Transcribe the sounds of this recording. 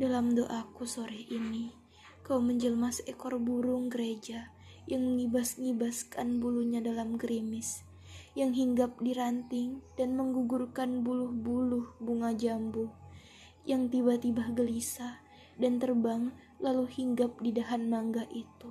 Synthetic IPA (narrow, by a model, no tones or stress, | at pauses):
dalamdoʔakusoɾɛhini | kauməɲd͡ʒəlmasɛkɔrbuɾʊŋɡəɾed͡ʒa | jaŋɲibasŋibaskanbuluɲadalamɡɾimɪs | jaŋɦiŋɡap̚diɾant̪ɪŋdanməŋɡuɡurkanbulʊhbulʊhbuŋad͡ʒambuh | jaŋt̪ibat̪ibahɡəlisa | dant̪ərbaŋ | laluhiŋɡap̚didaɦanmaŋɡaʔit̪u